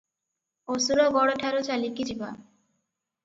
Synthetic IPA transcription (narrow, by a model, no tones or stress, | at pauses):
osuɾoɡɔɽoʈʰaɾot͡ɕalikid͡ʑiba